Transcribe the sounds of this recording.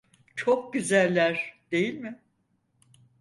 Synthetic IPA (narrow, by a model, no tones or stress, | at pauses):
t͡ʃʰok̚ɟyzælʲːæɾd̪̥e̞jilʲmɪ